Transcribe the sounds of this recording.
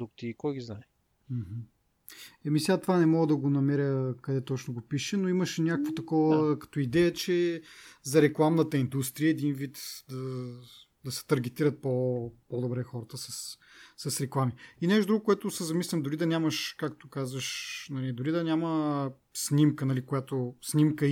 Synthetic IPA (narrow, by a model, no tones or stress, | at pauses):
d̪ukt̪iːkɔjɡʲiznaɛ | m̩ɦ̩ | ɛmisʲat̪vanɛmɔɡəd̪ɐɡonɐmɛɾʲəkɐd̪ɛt̪ɔt͡ʃnoɡopiʃɛnoiməʃɛnʲakəkvot̪ɐkɔvəkɐ̥t̪oid̪ɛjət͡ʃɛzɐɾɛklˠamnət̪əind̪ust̪ɾiəɛd̪invit̪d̪ɐ | d̪ɐsɛ̥t̪ɐɾɡ̟ɛt̪iɾət̪̚popod̪obɾɛxɔɾət̪əsɐs | sɐsɾɛklˠamiinɛʃt̪od̪ɾuɡokʊɛt̪ʊsɛzɐmislʲimd̪ʊɾid̪ɐnʲamɐʃkakt̪okazvəʃnɐlid̪ʊɾid̪ɐnʲamə | snimkənɐlikojat̪osnʲimkə